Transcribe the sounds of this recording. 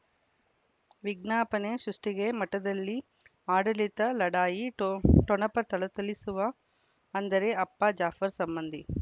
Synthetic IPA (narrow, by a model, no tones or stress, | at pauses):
ʋiɡ̚naːpɐneʃɾuʂʈiɡemɐʈːɐd̪ɐlːi | aːɽɐlit̪ɐlɐɽaːjiʈɔɳɐpɐt̪ɐɭɐt̪ɐlisuʋɐ | ɐnd̪ɐɾeʔɐpːad͡ʒaːfɐɾsɐmbɐnd̪ʱi